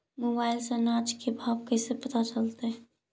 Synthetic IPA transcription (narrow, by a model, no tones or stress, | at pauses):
moːbaːɪlsenaːt͡ʃkebʱaːbkɛsepɐt̪at͡ʃəlt̪eɦɛ